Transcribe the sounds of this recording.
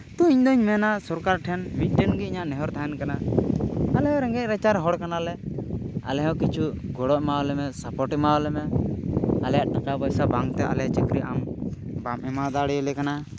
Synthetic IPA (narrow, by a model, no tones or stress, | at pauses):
t̪ũiɲd̪ɔɲmɛnasɔɾkaɾʈʰɛnmit̪̚ˀʈɛnɡɛiɲaʔnɛɦɔɾt̪ʰaɛnkana | alɛɦɔ̃ɾɛŋɡɛˀɾɛt͡ʃaɾɦɔɽkanalɛ | a̰lɛɦɛkit͡ʃʰuɡɔɽɔʔmawlɛmɛsapɔʈɛmalɛmɛ | alɛjaʔʈakabɔjsabaŋt̪ɛʔa̰lɛt͡ʃəkɾiʔambamɛmad̪aɽɛjɛlɛkana